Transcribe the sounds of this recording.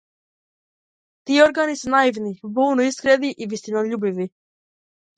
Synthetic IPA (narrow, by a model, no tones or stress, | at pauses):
t̪iːoɾɡanisɛnaivnibuːnɔiskɾɛd̪iʔivist̪inɔʎubivi